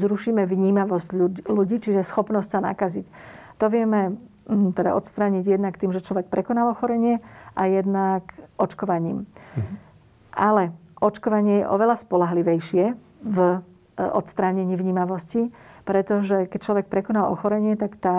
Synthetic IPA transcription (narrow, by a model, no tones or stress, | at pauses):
zɾuʃiːmɛʋɲiːmaʋɔsɟuluɟiːt͡ʃiʒɛsxɔpnɔscsana̰kazict̪ɔʋɪɛmɛ | t̪ɛd̪a̰ʔɔt̪st̪ɾaːɲiɟjɛd̪nakt̪iːmʒɛt͡ʃlɔʋɛk̚pɾɛkɔnalɔxɔɾɛɲɪɛʔajɛd̪nakʔɔt͡ʃkɔʋaɲḭːm | ʔalɛʔɔt͡ʃkɔʋaɲɪɛjɛ̰ʔɔʋɛlaspɔlaɦliʋɛjʃɪɛ | v | ɔ̰t̪st̪ɾaːɲɛɲiːʋɲiːmaʋɔscipɾɛt̪ɔʒɛkɛc̚t͡ʃlɔʋɛk̚pɾɛkɔnalɔ̰xɔɾɛɲɪɛt̪akt̪aː